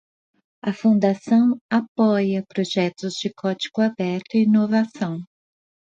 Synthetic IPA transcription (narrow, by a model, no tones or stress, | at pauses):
ɐfũnd̪asɐ̃w̃apɔjɐpɾoʒɛt̪ʊzd͡ʒɪkʰɔd͡ʒi̥ɡʊabɛɾt̪ʊiinovasɐ̃w̃